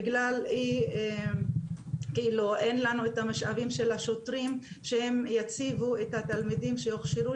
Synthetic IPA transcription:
ɡlalie | keilue̞nlanuet̪amaʃavimʃe̞laʃotʁim | ʃehe̞mjat͡sivue̞t̪hat̪almidimʃejoχʃiʁu

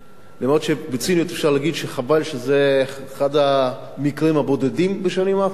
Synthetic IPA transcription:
lamod̪ʃebet͡sinjot̪efʃaʁlaːɡid̪ʃeχavalʃezeχad̪a | mikʁimhabo̞d̪edimbeʃanima

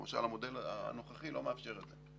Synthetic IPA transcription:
maʃa̰lamo̞dela̰no̞χaχilo̞meafʃe̞ʁet̪ze

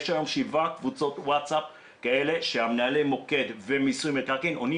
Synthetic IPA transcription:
ʃaʁamʃivakvut͡so̞t̪watsap̚ | kae̞le̞ʃeamnaalemo̞ke̞dvemisujmet̪aʁkinoni

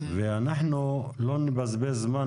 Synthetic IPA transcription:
veanaħnu | loːnɪbazbezma

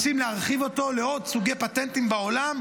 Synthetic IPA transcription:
simleaʁχivo̞t̪o̞leo̞dsuɡejpat̪ent̪imbao̞lam

